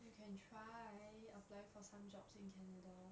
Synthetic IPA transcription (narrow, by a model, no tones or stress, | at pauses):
jukʰɛ̃ntʰɹaɪəplɛfɔsãmd͡ʒɔpsĩnkʰɛnəda